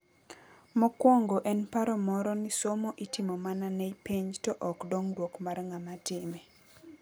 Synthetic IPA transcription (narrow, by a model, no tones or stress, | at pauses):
mɔkwɔŋɡɔʔɛnpaɾɔmɔɾɔnɪsomoʔitɪmɔmananɛjpiɲtɔʔɔkdɔŋdwokmarŋamatɪmɛ